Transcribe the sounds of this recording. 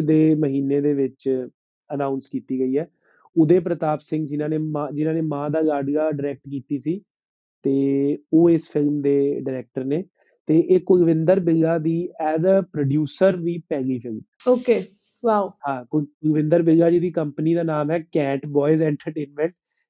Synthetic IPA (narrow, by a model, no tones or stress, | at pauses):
d̪eːməɦiːneːd̪eːʋɪt͡ʃ | ənaːʊnskiːt̪iːɡəiːɛː | ʊd̪eːp̬ɾət̪aːpsɪ̃ŋɡd͡ʒɪnãːneːmãːd͡ʒɪnãːneːmãːd̪aːɡaːɖɡaːɖəɾɛːk̚ʈkiːt̪iːsiː | t̪eːoːɪspʰɪlmd̪eːɖəɾɛːk̚ʈəɾneː | t̪eːʔeːkʊɡʋɪ̃nd̪əɾbɪɡaːd̪iːɛːzəpɾoːɖjuːsəɾʋiːpɛːɡiːpʰɪlm | oːkeː | ʋaːuɦãːkʊkʊɡʋɪ̃nd̪əɾbɪɡaːd͡ʒed̪iːkəmpniːd̪aːnaːmɦɛːkɛ̃ːɳʈbɔːɪzɛ̃ːɳʈəɾʈeːnmɛ̃ɳʈ̚